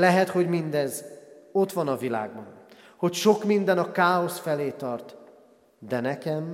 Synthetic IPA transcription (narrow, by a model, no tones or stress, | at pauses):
lɛɦɛt̪ho̞ɟmind̪ɛzo̞t̪ʋɒnɒvila̰ːɡbɒn | ho̞cʃo̞kmind̪ɛnɒkaːosfɛleːt̪ɒrt̪ | d̪ɛnɛkɛm